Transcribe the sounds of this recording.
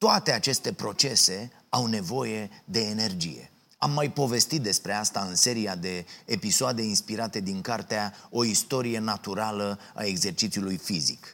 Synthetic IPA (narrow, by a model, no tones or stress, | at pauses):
t̪oat̪e̞at͡ʃe̞st̪e̞pɾo̞t͡ʃe̞se̞ | awne̞vo̞je̞d̪e̞ːne̞rd͡ʒḭje̞̰ | amːajpo̞ve̞st̪it̪̚d̪e̞spɾe̞ast̪aɨnse̞ɾijad̪e̞ːpisoad̪e̞inspiɾat̪e̞d̪iŋkart̪eao̞ist̪o̞ɾije̞nat̪uɾalə | a̰e̞ɡze̞rt͡ʃit̪siulujfizḭk